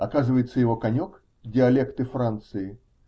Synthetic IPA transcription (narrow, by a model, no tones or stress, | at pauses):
ɐkazɨvəjɪt̪sːəjɪvo̞kɐnʲo̞k | dʲɪɐlʲekt̪ɨfɾant̪sɨɪ